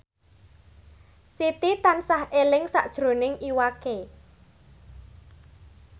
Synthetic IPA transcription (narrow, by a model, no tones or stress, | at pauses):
sit̪it̪ansahʔelɪŋsa̰ʔd̥ʒ̥ɾo̤nɪŋʔiwake